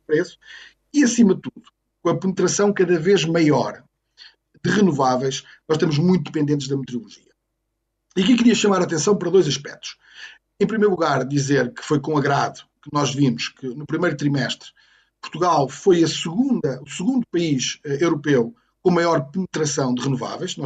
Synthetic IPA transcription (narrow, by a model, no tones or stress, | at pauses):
pɾesu̥ | iɐsimɐðɨt̪uðu | kõɐpɨnɨt̪ɾɐsɐ̃w̃kɐðɐveʒmɐjɔɾ | d̪ɨʁɨnuvavɐjʃ | nɔʃt̪ɐmuʒmũj̃t̪uðɨpẽnd̪ẽnt̪ʒðɐmɨt̪ɾiulˠuʒiɐ | iɐk̬ikɨɾiɐʃɐmaɾaːt̪ẽsɐ̃w̃pɐɾɐðojzɐʃpɛk̚t̪u̥ʃ | ẽpɾimejɾlˠuɣaɾd̪izeɾkɨ̥fojkõɐɣɾaðukɨnɔʒvimuʃkɨnupɾimejɾut̪ɾimɛʃt̪ɾ | pu̥ɾt̪uɣalˠfojɐsɨɣũnd̪ɐusɨɣũnd̪upɐiʃɛewɾupew | kõmɐjɔɾpɨnɨt̪ɾɐsɐ̃w̃d̪ɨʁɨnuva̰vɐjʃnɔ